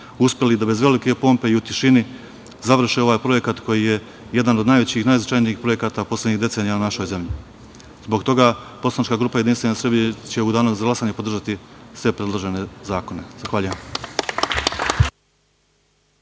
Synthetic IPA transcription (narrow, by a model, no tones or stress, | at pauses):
uspʲjelid̪abe̞zʋe̞like̞po̞ːmpe̞iut̪iʃini | zaʋr̩ʃeo̞ʋaːjpɾo̞je̞kat̪kʰo̞jije̞ | je̞d̪anod̪najʋe̞t͡ɕixnaːjznat͡ʃajniːxpɾo̞je̞kaːt̪apo̞sleɲiɣd̪e̞t̪seːnijaunaʃo̞jze̞mʎi | zbo̞ɡt̪o̞ɡapo̞slˠanit͡ʃkaɡɾuːpajed̪inst̪ʋenesɾebiɲet͡ɕe̞ud̪aːnozaɡlˠasaːɲe̞pod̪r̩ʒat̪isʋe̞pɾe̞d̪loʒe̞ne̞zaːko̞ne̞zaxʋaʎujem